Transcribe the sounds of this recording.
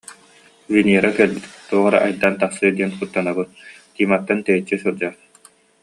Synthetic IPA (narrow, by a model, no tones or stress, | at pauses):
viniɛɾakɛɾbit̪t̪uɔʁaɾa̰ʔajd̪ant̪aχsɯːd̪iɛnχut̪ːanabɯt̪̚t̪iːmat̪ːant̪ɛjit͡ɕːisuɾd͡ʑa